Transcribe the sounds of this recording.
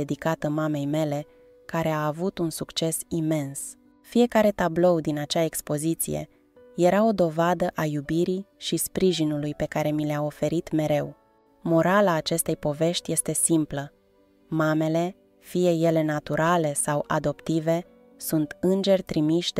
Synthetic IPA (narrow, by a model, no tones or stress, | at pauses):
ed̪ikat̪əmame̞jme̞le̞ | kaɾe̞aːvut̪unsukt͡ʃe̞sime̞ns | fije̞kaɾe̞t̪ablo̞wd̪inat͡ʃaekspo̞zit̪sḭje̞̰ | je̞ɾao̞d̪o̞vad̪əʔajubiɾiʃispɾiʒinulujpe̞kaɾe̞mileao̞fe̞ɾit̪me̞ɾe̞w | mo̞ɾalaːt͡ʃe̞st̪e̞jpo̞ve̞ʃt̪ʲje̞st̪e̞simplə | mame̞le̞ | fije̞je̞le̞nat̪uɾale̞sawʔa̰d̪o̞pt̪ive̞ | sunt̪ɨnd͡ʒe̞rʲt̪ɾimiʃd̪